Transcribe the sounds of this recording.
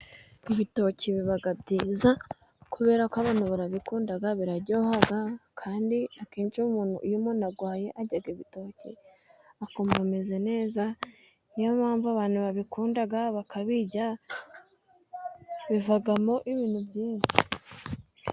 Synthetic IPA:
iβito̞ciβiβaɡabɟiːza | kʰuβe̞ːɾakaβaːnhuβaɾaβikuːndaɡaβiɾaɟo̞ːhaɡakʰaːndiakeːnʃumuːnṵjumonaɡwaːje̞ʔaɟaɡiβito̞ːcḭ | ako̞mome̞ze̞ne̞ːza | nijamaːɱvuaβaːn̥uβaβikuːndaɡaβakʰaβiɟa | βivaɡamo̞ʔiβiːn̥hubɟiːnʃi̥

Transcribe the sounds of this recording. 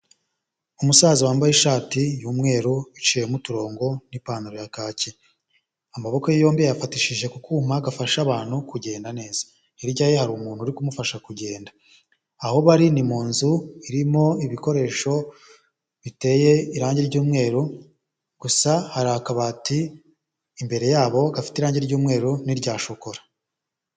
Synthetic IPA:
umusaːziwaːmbajeʃaːtijuːmŋe̞ːɾuit͡ʃijemutuɾo̞ːŋɡo̞nipaːnuɾojakaːce | amaβo̞kojijo̞ːmbijejafatiʃiʒe̞kukʰuːmaɡafaʃaβaːn̥hukuɟe̞ːndane̞ːzḁ | iɾɟajehaɾuːmuːnhuɾikumufaʃakuɟe̞ːndaː | ho̞βaɾinimuːnzuiɾimo̞iβiko̞ɾe̞ːʃo̞ | βite̞je̞iɾaːɲɟeɾɟuːmŋe̞ːɾu | ɡ̥usahaɾakaβatiː | mbe̞ɾe̞jaːβo̞ɡafi̥tiɾaːɲɟeɾɟuːmŋe̞ːɾuniɾɟaːʃoko̞ɾḁ

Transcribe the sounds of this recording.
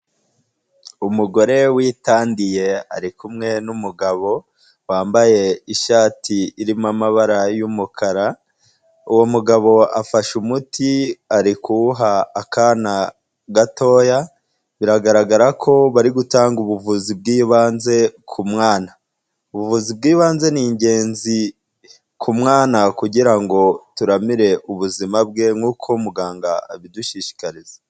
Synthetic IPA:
umuɡo̞ɾe̞wiːtaːndije̞a̰ɾikumŋe̞numuɡaβo̞ | waːmbaje̞iʃaːtʰiːɾimamaβaɾajumukʰaɾa | uwo̞muɡaβo̞afaʃumutʰiaɾikuɦaːkaːna | ɡato̞ːja | βiɾaɡaɾaɡaɾakʰo̞βaɾiɡutaːŋɡuβuvuzib̚ɡiːβaːnze̞kʰumŋaːna | uβuvuzib̚ɡiːβaːnze̞niːɲɟe̞ːnzi | kumŋaːnakuɟiɾaŋɡo̞tuɾamiɾe̞ʔuβuzimab̚ɡe̞ŋhuːkʰoumuɡaːŋɡaaβiduʃiːʃi̥kaɾize̥

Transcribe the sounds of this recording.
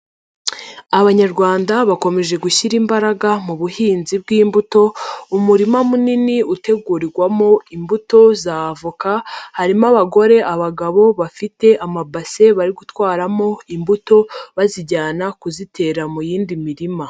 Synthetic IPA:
aβaɲaɾɡwaːndaβako̞me̞ʒe̞ɡuçiɾimbaɾaɡamuβuhiːnzib̚ɡiːmbuto̞umuɾimamuniniute̞ɡuːɾiɡwamo̞imbuto̞zavukahaɾimaβaɡo̞ɾe̞ʔaβaɡaβo̞βafite̞ʔamabase̞βaɾiɡutwaːɾamo̞imbuto̞βaziɟaːnakuzitʰe̞ːɾamujiːndimiɾima

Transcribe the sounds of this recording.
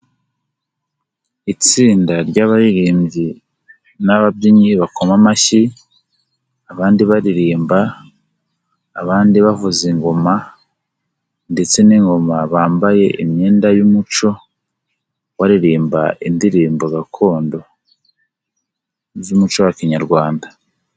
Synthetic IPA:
it͡siːndaɾɟaβaɾiɾiːmɟi | naβab̚ɟiɲiβako̞mamaçi | aβaːndiβaɾiɾiːmba | βaːndiβavuziŋɡo̞ma | nde̞t͡se̞niŋɡo̞maβaːmbaje̞ʔimɲeːndajumut͡ʃo̞ | waɾiɾiːmba̰ʔindiɾiːmboɡakʰo̞ːndo̞ | zumut͡ʃo̞wakiɲaɾɡwaːnda

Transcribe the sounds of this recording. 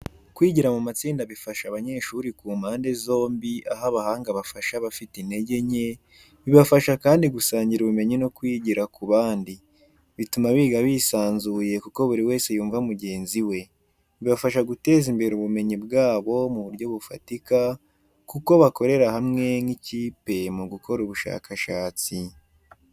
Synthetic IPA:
kwiːɟiɾamumat͡siːndaβifaʃaβaɲe̞ːʃuɾikuːmaːnde̞zo̞ːmbiʔaɦaβahaːŋɡaβafaʃaβafitine̞ɟe̞ɲe̞ | βiβafaʃakaːndiɡusaːɲɟiɾuβume̞ɲino̞kwiːɟiɾakuβaːndi | βitumaβiːɡaβiːsaːnzuːje̞kuko̞βuɾiwe̞ːse̞juːɱvamuɟe̞ːnziwe̞ | βiβafaʃ̬aɡute̞ːzimbe̞ɾuβume̞ɲibɡaːβo̞muβuɾɟo̞βufa̰tika | kuko̞βako̞ɾe̞ɾaɦamŋe̞niciːpe̞muɡuko̞ɾuβuʃa̰ːkʰaʃaːt͡si

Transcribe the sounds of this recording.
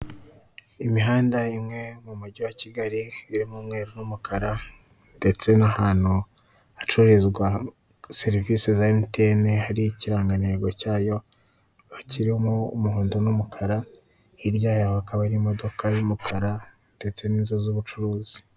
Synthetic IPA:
imiɦaːndaimŋe̞mumuɟuwaciɡaɾiiɾimuːmŋe̞ːɾunumukʰaɾa | nde̞t͡se̞nahaːn̥hu | at͡ʃuɾezɡwa | se̞ɾiviːsezaentenehaɾiiciɾaːŋɡaneːɡo̞caːjo̞ | aciɾimoumuɦoːndo̞numukʰaɾa | iɾɟaːjahohakaβaiɾimo̞do̞kajumukʰaɾa | nde̞t͡se̞niːnzozuβut͡ʃuɾuːzi̥

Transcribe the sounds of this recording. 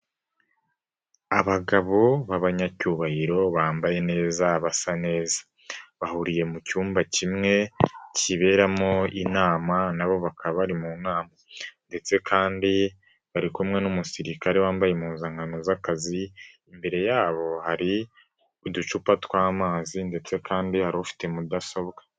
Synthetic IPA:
aβaɡaβoβaβaɲacuːβahiɾo̞βaːmbaje̞ne̞ːzaβasane̞ːzḁ | βahuɾije̞mucuːmbacimŋe̞ciβe̞ːɾamo̞inaːmanaβo̞βakʰaβaβaɾimunaːmande̞t͡se̞kʰaːndi | βaɾikumŋe̞numusiɾikaɾe̞waːmbajemuːzaŋɡanozakaziː | mbe̞ɾe̞jaːβo̞haɾi | ud̪ut͡ʃupatwaːmaːzinde̞t͡se̞kʰaːndihaɾoβufi̥te̞mudaso̞βɡḁ

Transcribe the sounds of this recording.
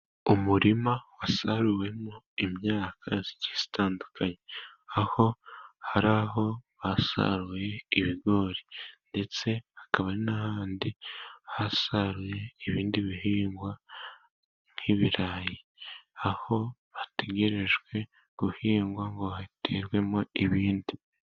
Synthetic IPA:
umuɾimawasaɾuwe̞mo | imɲaːkʰazi̥ɟiz̥i̥taːndukʰaɲeaho̞haɾaɦo̞βasa̰ɾuje̞iβiɡo̞ːɾinde̞t͡se̞hakaβainahaːndihasaɾuje̞iβiːndiβiɦiːŋɡwa | ŋ̥iβiɾaːji | aho̞βateɡe̞ɾe̞ʒɡwe̞ | ɡ̥uhiːŋɡwaŋɡo̞hatʰeɾɡwe̞moiβiːndi

